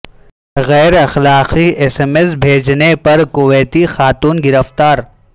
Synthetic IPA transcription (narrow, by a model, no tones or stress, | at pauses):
ɣɛːɾɐxlaːqiesemes̬bʱeːd͡ʒnepɐɾkʊʋeːt̪ixaːt̪uːnɡɪɾəft̪aːɾ